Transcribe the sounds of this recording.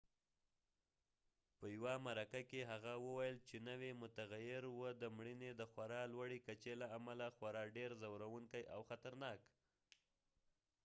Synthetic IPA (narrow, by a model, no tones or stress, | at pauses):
pəjawamaɾakakeɦaɣawəwajəlt͡ʃenəwemʊt̪aɣajɪɾwəd̪əmɽined̪əxwaɾɑlwaɽekat͡ʃelaamalaxwaɾɑɖeɾzawɾawuŋkajʔawxat̪aɾnɑk